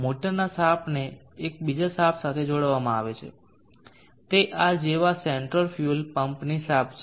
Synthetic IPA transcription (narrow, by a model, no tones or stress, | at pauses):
moʈəɾnasapʰne | ek̚bid͡ʒasapsat̪ʰed͡ʒoɽʋamãaʋet͡ʃʰḛ | t̪eʔad͡ʒeʋaseɳʈɾəlfjulpəmpnisap̚ʰt͡ʃʰ